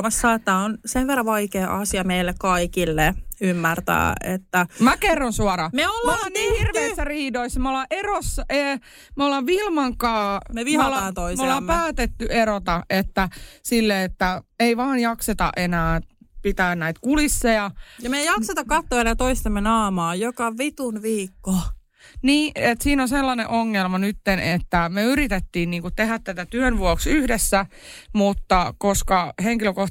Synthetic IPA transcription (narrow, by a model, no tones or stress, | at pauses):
mɑsːɑːet̪ːæonsenʋerːɑʋɑikeːʔɑsiɑmeilːekkɑikilːeymːært̪æ̰ːḛt̪ːæmækerːonsuɑrɑmeolːɑolːnniːhirʋeisːæriːdoisːɑmolːɑʔerosːɑeː | molːɑʋʋilmɑŋkɑːmeʋiholːɑːt̪oimolːɑpæːt̪et̪ːyerot̪ɑet̪ːæsilːeet̪ːæeiʋɑːnjɑkset̪ɑ̰ʔenæːpit̪æːnnæit̪kulisːejɑjɑmejɑkset̪ɑkkɑt̪ːoːenæːt̪oist̪emːenɑːmɑːjokɑʋit̪unʋiːkːo | niːet̪siːnoselːɑneʔoŋːelmɑnyt̪ːenet̪ːæmeyɾit̪et̪ːiːnniːŋkut̪t̪ehæt̪t̪æt̪æt̪yønʋuoksyhdesːæmut̪ːɑkoskɑheŋkiløkoh